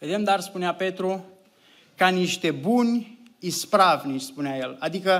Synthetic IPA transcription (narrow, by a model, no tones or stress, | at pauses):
ve̞d̪e̞md̪arspuneape̞t̪ɾu | kaniʃt̪e̞bunʲ | ispɾavʲnit͡ʃspuneaje̞lad̪ikə